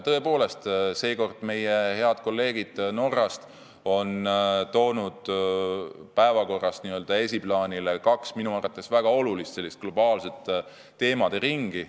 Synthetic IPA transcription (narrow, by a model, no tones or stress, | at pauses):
t̪ɤepo̞ːle̞st̪se̞ːko̞rd̪̥me̞jehe̞ɑd̪̥̚ko̞lːe̞ːɡid̪̥no̞rːɑst̪ | o̞nt̪o̞ːnud̪̥ | pæevɑko̞rːɑst̪niø̞ld̪ɑe̞sʲiplɑːnʲilekɑksminuɑːrvɑt̪ːˑe̞svæɡ̥ɑo̞lulist̪se̞lːist̪̚ɡ̥lo̞bɑːlse̞t̪ː | e̞ːmɑd̪̥e̞ɾiŋɡ̥i